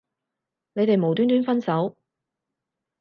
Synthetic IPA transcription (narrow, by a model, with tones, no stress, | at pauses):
ne˨˧jt̪e˨jmo˨wt̪yː˥nt̪yː˥nfɐ˥nsɐ˨˥w